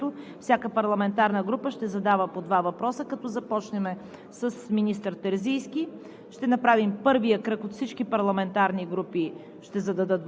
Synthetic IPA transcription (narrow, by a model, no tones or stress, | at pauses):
ʊfsʲjakəpɐɾlˠɐmɛnt̪aɾnəɡɾupəʃt̪ɛzɐd̪avəpod̪vavɐpɾɔsəkɐt̪ɔzɐpɔt͡ʃnɛmɛ | səsminist̪əɾt̪ɛɾzijsk̟i | ʃt̪ɛnɐpɾavimpɤɾvijəkɾɤkot̪fsit͡ʃkipɐɾlˠɐmɛnt̪aɾniɡɾupi | ʃt̪ɛzɐd̪ɐd̪ət̪